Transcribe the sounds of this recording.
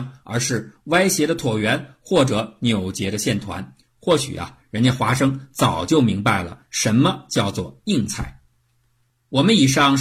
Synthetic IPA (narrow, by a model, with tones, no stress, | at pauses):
ə̰˞˧˥ʂɻ̩˥˩wa˥ɪɕjɛ˧˥d̪ə˧t̪ʰwɔ˨˩ɥɛ˧˥nxwɔ˥˩ʈ͡ʂɤ˧˥njo˨˩ʊt͡ɕjɛ˧˥d̪ə˧ɕjɛ˥˩nt̪ʰwa̰˧˥n | xwɔ˥˩ɕy̰˨˩ʔɐ̰˦ɻə˧˥na˥˩xwa˧˥ʂɤ˥ŋt͡sɑ˨˩ʊt͡ɕjo˥˩ʊmi˧˥ŋba˥˧˩ɪlə̰˩ʂə˧˥nmə˧t͡ɕjɑ˥˧ʊt͡swɔ˥˧i˥˧ŋt͡sʰa˥˩ɪ | wɔ˨˩mə˦ni˨˩ʂɑ˥˩ŋ